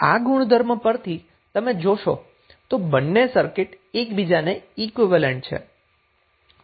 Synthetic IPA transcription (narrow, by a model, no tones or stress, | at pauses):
a̰ɡuɽ̃d̪ʱəɾmpəɾt̪ʰi | t̪əmed͡ʒoʃo̰ | t̪obənːesəɾkɪʈ | ekbid͡ʒaneikʋɪʋəleɳʈ̚t͡ʃʰḛ